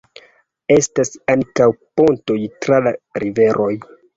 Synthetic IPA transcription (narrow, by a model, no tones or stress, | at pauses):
e̞stasaŋkawpo̞nto̞jtɾalaɾive̞ɾʔo̞j